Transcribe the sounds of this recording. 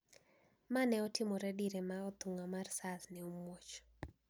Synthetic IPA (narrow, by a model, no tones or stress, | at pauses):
manɛɔtʰɪmɔɾɛdiɾemaɔt̪uŋamarsasnɛomwot͡ʃ